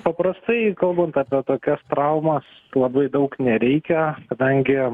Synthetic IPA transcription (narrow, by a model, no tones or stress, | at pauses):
pɐpɾɐst̪ɐɪkɐlˠbɐnt̪ɑːpʲiɛt̪oːkʲɛst̪ɾɐʊmɐs | lˠɐbɐɪd̪ɐʊknʲɛɾʲɛɪkʲɛkɐd̪ɐŋʲɡʲɪ